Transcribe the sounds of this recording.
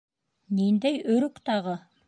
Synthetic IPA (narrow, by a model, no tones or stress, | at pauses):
nind̪æjɵɾɵkt̪ɑʁɤ